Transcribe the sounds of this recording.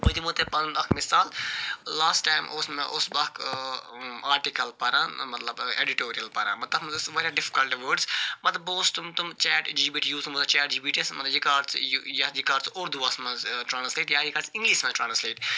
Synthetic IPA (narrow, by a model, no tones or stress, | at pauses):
bod̪imot̪epɐnɐkʰmɪsaːllaːsʈaːjmʔoːsmɛ̰̃ʔosbɐk | aːɾʈikɐlpɐɾãmɐt̪lɐbḛɖiʈoːɾiɐlpɐɾã̰ːmɐt̪lɐbmsʋɐɾaɖɪfi̥kɐlʈʋəːɖsmɐt̪lɐboːst̪umt̪umt͡ʃɛːʈd͡ʒiːbiːʈjuːzũŋmɐt̪ɐt͡ʃɛːʈ̚d͡ʒiːbiːʈismɐt̪lɐbjikaːɾsjjɐd͡ʒikaːɾsoːɾd̪uʋasmɛ̃zʈɾãːnsleːʈjaːjikɐɾsɪ̃ŋɡliʃmɛ̃ʈɾaːnsleːʈ